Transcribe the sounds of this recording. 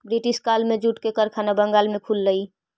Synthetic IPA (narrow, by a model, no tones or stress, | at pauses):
bɾiʈɪʃkaːlmẽd͡ʒuːʈkekəɾkʰaːnabə̃ŋɡaːlmẽkʰuːlːəi